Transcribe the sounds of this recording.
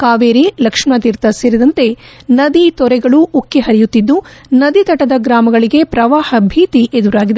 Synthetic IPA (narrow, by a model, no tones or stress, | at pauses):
kaːʋeːɾilɐkʂmɐt̪iɾt̪ɐseːɾid̪ɐnt̪e̞nɐd̪it̪ɔɾɛɡɐɭuʔːkːeɦɐɾijut̪ːid̪ːunɐd̪it̪ɐʈɐd̪ɐɡɾaːmɐɡɐɭiɡe̞pɾɐʋaːhɐbʱiːt̪iʔed̪uɾaːɡid̪e